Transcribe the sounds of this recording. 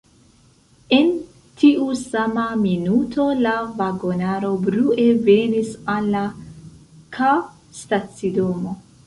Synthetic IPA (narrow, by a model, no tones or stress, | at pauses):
e̞n | tʰiʔusamaminutʰo̞lavaɡo̞naɾo̞bɾuʔe̞ve̞nisalːa | kʰa | stat͡sido̞mo̞